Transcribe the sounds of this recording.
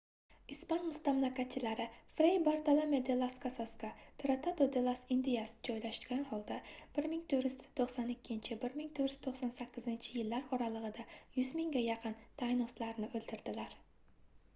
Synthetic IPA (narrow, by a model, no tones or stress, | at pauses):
ispanmʊst̪amlˠakʲat̪̚t͡ʃʰːɪlaɾɪfɾejbaɾt̪alˠamed̪elˠaskʰasaskat̪ʰɾat̪ʰad̪od̪elˠasɪnd̪ijasd͡ʒɒjlaʃkʲanhɒlˠd̪ab̥ɪɾmɪŋt̪ʰɵɾɪjzt̪ʰoχsɒnɪkʲːɪnt͡ʃʰɪbɪɾmɪŋt̪ʰɵɾj̥̪t̪ʰoχsɑnsakʲʰːɪzɪnt͡ʃʰɪjɪlːaɾɒɾɑlˠɨʁɨd̪ajʊzmɪŋɡʲajɑqʰɨnt̪ʰajnɒslaɾnɪʔɵld̪ɪɾd̪ɪlaɾ